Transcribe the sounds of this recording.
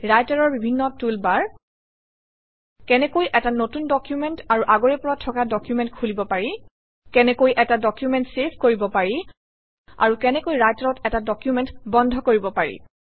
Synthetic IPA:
ɹajtaɹɔɹbibʱinːɔtulbaɹ | kɛnɛkojʔɛtanotundɔkjumɛntaɹuʔaɡoɹɛpuɹatʰːɔkadɔkjumɛntkʰulibɔpaɹi | kɛnɛkojʔɛtadɔkjumɛntsepʰkoɹibɔpaɹi | a̰ɹukɛnɛkojɹajtaɹɔtɛtadɔkjumɛntbɔndʱɔkoɹibɔpaɹḭ

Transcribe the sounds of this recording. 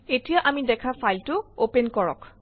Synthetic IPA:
etijaʔamidɛkʰafajltʊopenkɔɹɔ̰k

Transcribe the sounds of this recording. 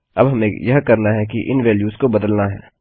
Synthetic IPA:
ɐ̰bɦɐmẽjɐɦkɐɾnaɦɛkiʔɪ̰nʋeːljuːzkobɐd̪əlnaɦɛ̰ː

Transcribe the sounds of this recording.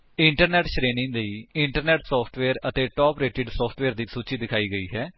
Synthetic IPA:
ɪɳʈəɾnɛːʈʃɾeːnɪ̃ŋləiːɪɳʈəɾnɛːʈsɔːpʰʈʋeːɾət̪eːʈɔːpɾeːʈɪɖsɔːpʰʈʋeːɾd̪iːsuːt͡ʃiːd̪ɪkʰaːiːɡəiːɦɛː

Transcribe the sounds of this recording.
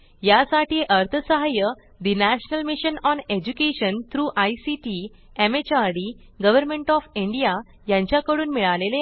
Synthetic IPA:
jasaʈiːʔəɾt̪ʰəsəɦajə | d̪inæɕənəlmiɕənɔned͡ʑukeɕənt̪ʰɾuːʔajsiʈi | emet͡ɕaɾɽi | ɡəʋəɾmẽɳʈɔfiɳɖija | jãɲt͡ɕjakəɽuːnmiɭalele

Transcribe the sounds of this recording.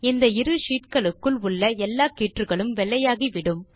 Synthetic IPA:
ɪnd̪ɐɪɾɯʂiːʈkɐɭɯkːɯɭʊɭːɐɛlːaːkiːʈrɯɣɐɭɯmʋɛɭːɐjaːɣiʋɪɽɯm

